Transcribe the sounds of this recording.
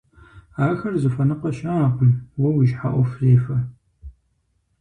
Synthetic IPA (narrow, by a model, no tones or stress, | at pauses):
aːxɐrzɨfɐnɨqɐʃɐaːqmwɐwiʒħa̰ʔʷɔfzeːfɐ